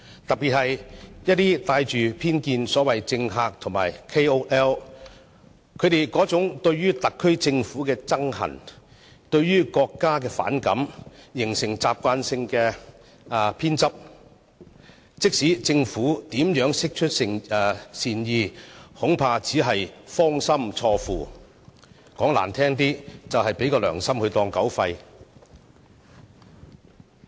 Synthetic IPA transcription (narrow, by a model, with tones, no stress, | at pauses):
t̪ɐ˨piː˨t̚hɐ˨jjɐ˥t̚t̪iː˥t̪aː˧jt͡ʃyː˨pʰiː˥nkiː˧nsɔː˨˥wɐ˨jt͡sɪ˧ŋɦaː˨˧k̚t̪ʰʊ˨˩ŋma̰ː˨˩jkʰe˥jo˥wʔɛː˥w | kʰɵ˨˧ɥt̪e˨˩jkɔː˨˥t͡sʊ˨˥ŋt̪ɵ˧ɥɥyː˥t̪ɐ˨kʰːɵ˥ɥt͡sɪ˧ŋfuː˨˥kɛː˧t͡sɐ˥ŋhɐ̰˨˩n | t̪ɵ˧ɥjyː˥kɔː˧kːaː˥k̬ɛː˧fa̰ː˨˥nkɐ̰˨˥mjɪ˨˩ŋsɪ˨˩ŋt͡saː˨p̚kʷaː˧nsɪ˧ŋkɛː˧ | pʰiː˥nt͡sɐ˥p̚ | t͡sɪ˥k̚siː˨˥t͡sɪ˧ŋfuː˨˥t̪iː˨˥mjœː˨˥ŋsɪ˥k̚t͡ʃʰɵ˥t̚sɪ˨ŋ˨siː˧njiː˧hʊ˨˥ŋpʰaː˧t͡siː˨˥ɦɐ˨jfɔː˥ŋsɐ˥mt͡sʰɔː˧fuː˨ | kɔː˨˥ŋla̰ː˨˩nt̪ʰɛː˥ŋt̪iː˥t͡sɐ˨wɦɐ˨jpe˨˥jkɔː˧lœ̰ː˨˩ŋsɐ˥mhɵ˧t̪ɔː˧ŋkɐ˨˥wfɐ˧j